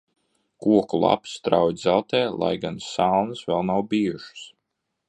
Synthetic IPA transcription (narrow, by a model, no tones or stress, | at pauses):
kuɔkulˠa̰pst̪ɾawjd̪zælˠt̪ɛːlˠa̰jɡansalˠnsvɛlˠnawbijuʃu̥s